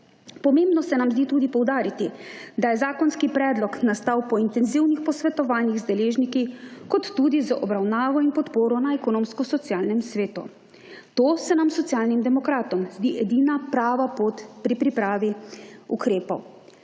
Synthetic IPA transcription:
pɔmembnɔsɛnamzd̪iːt̪uːd̪ipɔwd̪aːɾit̪id̪ajɛzaːkɔnskipɾɛːd̪lɔknast̪aːwpɔint̪ɛnziwnixpɔsʋɛt̪ɔʋaːnjiɣzd̪ɛleːʒnikikɔt̪ːud̪izaʔɔbɾawnaːʋɔinpɔt̪poːɾɔnaɛkɔnõːmskɔsɔt̪siaːlnɛmsʋeːt̪ṵ | t̪oːsɛnamsɔt̪sjaːlnimd̪ɛmɔkɾaːt̪ɔmzd̪iʔɛd̪iːnapɾaːʋapoːt̪pɾipɾipɾaːʋiṵkɾeːpɔ̰w

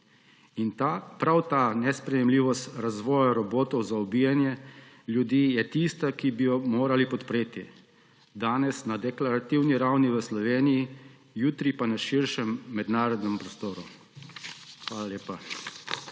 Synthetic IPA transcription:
inpɾawt̪anɛspɾɛjɛmliːʋɔst̪ɾazʋɔːjaɾɔboːt̪ɔwzaɔbiːjanjɛ | ljud̪iːjɛt̪ist̪akibijɔmoːɾalipɔt̪pɾeːt̪i | d̪aːnɛsnad̪ɛklaɾat̪iwniɾawniʋəslɔʋeːniji | juːt̪ɾipanaʃiɾʃɛmːɛd̪naːɾɔd̪nɛmpɾɔst̪oːɾu | xʋaːlaleːpa

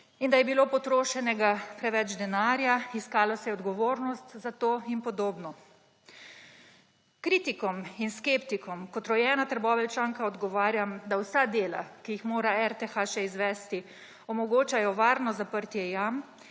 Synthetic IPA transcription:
ind̪ajɛbilopɔt̪ɾoːʃɛnɛɡapɾɛʋɛd͡ʒd̪ɛnaːɾjaiskaːlɔsɛjɛɔd̪ɡɔʋoːɾnɔst̪zat̪oːinpɔd̪oːbnɔ | kɾiːt̪ikɔminskept̪ikɔmkɔt̪ɾɔjɛːnat̪əɾbɔːʋɛlt͡ʃaːŋkaɔd̪ɡɔʋaːɾjamd̪awsad̪eːla̰kijixmoːɾaɛɾt̪ɛxaʃɛizʋɛst̪i | ɔmɔɡoːt͡ʃajɔʋaːɾnɔzapəɾt̪jɛjam

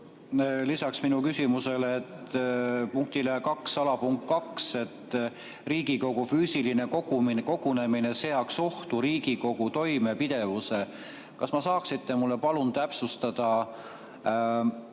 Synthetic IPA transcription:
lisɑksminukysimuse̞lːt̪ | puŋk̚t̪ilekɑksɑlɑpuŋkkt̪̚kɑkse̞t̪ː | riːɡ̥iko̞ɡ̥ufyːsiline̞ko̞ɡuminko̞ɡ̥une̞mine̞se̞ɑkso̞ht̪uɾiːɡiko̞ɡ̥ut̪o̞jme̞pid̪̥e̞vuse̞ | kɑsmɑsɑːksit̪ːemulːe̞pɑlunt̪æpsust̪ɑd̪̥ɑ

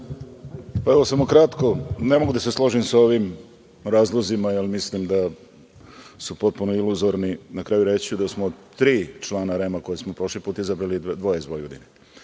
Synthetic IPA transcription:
pae̞ʋo̞samokɾat̪ko̞ne̞mo̞ɡud̪aseslˠo̞ʒimsao̞ʋim | ɾaːzlˠozimajelmislimd̪a | supo̞t̪̚punoiluzoɾninakɾaːjuɾet͡ɕud̪asmod̪t̪ːɾiːt͡ʃlˠaːnaɾemako̞jesmopɾoʃlipuːt̪izabɾalid̪ʋo̞jeizʋojɡod̪ine

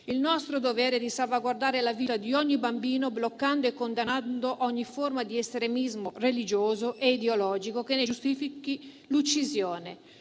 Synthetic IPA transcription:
ilnɔst̪ɾod̪ovɛːɾed̪isalvaɡward̪aːɾelavit̪ad̪iɔɲːibambiːnoblokːand̪oekːond̪anand̪oʔɔɲːiformad̪iɛst̪ɾemizmorelid͡ʒoːzoʔeid̪eolɔːd͡ʒikokenːed͡ʒust̪ifiki | lut͡ʃːizjɔːne

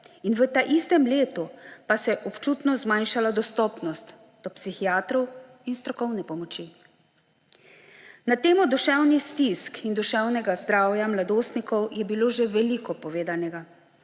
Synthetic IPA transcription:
inʋət̪aʔist̪ɛmleːt̪upasɛʔɔpt͡ʃuːt̪nɔzmajnʃalad̪ɔst̪ɔːpnɔst̪ | d̪̥ɔpsixijaːt̪ɾɔw | inst̪ɾɔkɔwnɛpɔmɔt͡ʃi | nat̪eːmɔd̪uʃɛwnist̪iskind̪uʃɛwnɛɡazd̪ɾaːwjamlad̪oːst̪nikɔwjɛbiloːʒeʋɛlikɔpɔʋeːd̪anɛɡa

